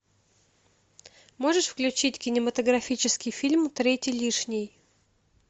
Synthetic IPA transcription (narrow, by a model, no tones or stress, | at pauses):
mo̞ʐɨʂfklʲʉt͡ɕitʲkʲɪnʲɪmət̪əɡɾɐfʲit͡ɕɪskʲɪjfʲilʲmt̪ɾʲetʲɪlʲiʂnʲɪj